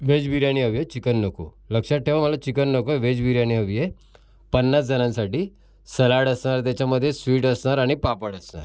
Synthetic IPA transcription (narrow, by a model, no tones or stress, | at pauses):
ʋed͡ʑbiɾjañiɦəʋjet͡ɕikənːəko̰ | ləkʂaʈʰeʋaməlat͡ɕikənːəkoʋed͡ʑbiɾjaɽ̃iɦəʋje | pənːat͡sd͡zənãnsaʈiː | səlaɽəsɳaɾt̪at͡ɕjaməd̪ʱːjesʋiːʈəsɳaɾaɽ̃ipapəɽəsna̰ɾ